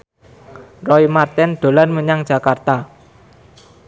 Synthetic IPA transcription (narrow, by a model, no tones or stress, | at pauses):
rɔimart̪ɛnd̪̥o̤lanməɲaŋd̥d͡ʒʒ̥a̤kart̪a